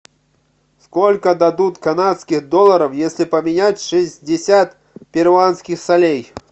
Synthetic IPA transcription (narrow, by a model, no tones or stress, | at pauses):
skɔlʲkɐd̪ad̪ut̪ʲkanat̪skʲiɣd̪ɔlˠɐɾɐwjesʲlʲipɐmʲinʲat͡sʲʂɨzʲd͡zʲɪsʲat̪̚ | pʲɛrvanskʲixsalʲej